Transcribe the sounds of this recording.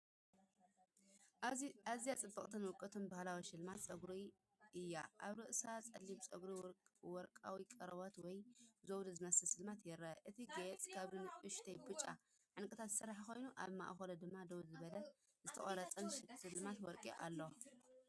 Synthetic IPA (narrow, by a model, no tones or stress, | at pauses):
azijat͡sʼɨbːɐχʼt̪ʰɐnwʊkʼːɨt̪ʰɨnbahlawiʃɨlmat̪t͡sʼɐɡɾi | ʔɨjːaʔaβɾɨʔsat͡sʼɐlːiβt͡sʼɐɡɾiwɔɾkʼa̰wikʼɐɾɐβot̪wɔjzowd̪ɐzɨmɐsɐsɨlmat̪jɛɾːɐʔɨt̪ʰiɡet͡sʼkʰaβlɨnɨʊʃt̪ʰɐjbut͡ʃʼːa̰ | ʕɨnkʼɨt̪ʰat̪zɨ̥sɐɾħako̞jnuʔa̰βma̰ʔxolɐd̪ɨmːad̪owd̪zɨβɐlɐ | zɨt̪ʰɐχʼɐɾɐt͡sʼɐnʃɨlmat̪wɔɾkʼiʔa̰lːo